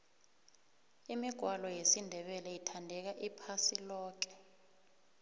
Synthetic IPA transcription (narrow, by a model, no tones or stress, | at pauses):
imiɡ̥ʱwalɔjesindʱɛɓɛlɛjitʰandʱɛk̬aʔipʰasilɔːk̬ɛ̥